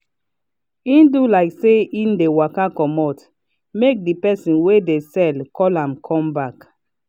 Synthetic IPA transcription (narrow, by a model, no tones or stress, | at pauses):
ĩndulaɪkseĩndewakakɔmɔt | mek̚dipɛsĩnwedesɛlkʰɔlãmkʰɔ̃mbak